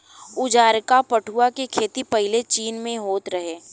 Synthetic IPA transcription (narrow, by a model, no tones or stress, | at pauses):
ʊd͡ʒaːɾkapɐʈʰuakekʰeːt̪ipɐɦɪlet͡ʃiːnmẽɦoːt̪ɾɐɦeː